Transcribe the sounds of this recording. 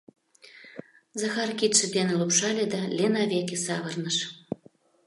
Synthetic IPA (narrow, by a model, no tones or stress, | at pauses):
zɑxɑrkit̪ʃĕd̪enelupʃɑlʲed̪ɑlʲenɑβʲekʲesɑβɤrnəʃ